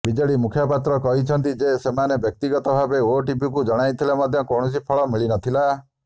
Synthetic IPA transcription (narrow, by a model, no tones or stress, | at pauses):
bid͡ʒɔɭimukʰjɔpat̪ɾɔkɔɦit͡ʃʰɔnt̪id͡ʒesemanebjɔk̚t̪iɡɔt̪ɔbʱabeoʈibikud͡ʒɔɽ̃ajt̪ʰilemɔd̪ʱjɔkoɽ̃ɔs̬ipʰɔɭɔmiɭinɔt̪ʰila